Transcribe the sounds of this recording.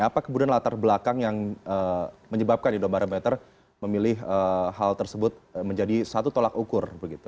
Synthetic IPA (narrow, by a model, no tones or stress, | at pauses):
apakəmudanlat̪arbəlakaŋjaŋəməɲəbap̚kanidombaɾəmɛt̪ər | məmilɪɦəɦalt̪ərsəbʊt̪̚məɲd͡ʒadisat̪ut̪olakukʊrbəɡit̪u